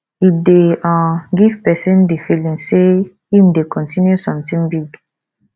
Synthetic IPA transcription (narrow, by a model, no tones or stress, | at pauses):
ideãɡiv̥pɛsĩndifilĩŋse | hĩmdekʰɔ̃ntĩnjusɔ̃mtĩŋbiɡ